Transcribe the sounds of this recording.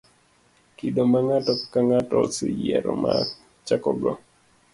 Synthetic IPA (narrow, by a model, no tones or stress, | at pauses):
kidomaŋatɔkaŋatɔsɪjɛɾɔma | t͡ʃakɔɡɔ